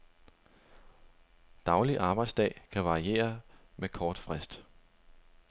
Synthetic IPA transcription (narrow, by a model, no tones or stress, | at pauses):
d̥ɑ̈ʊliʔɑ̈ːb̥ɑ̈ɪd̥sd̥ɛ̰ːkʰæʋɑ̈ie̝̰ːɐmekʰɒːd̥fʁɛsd̥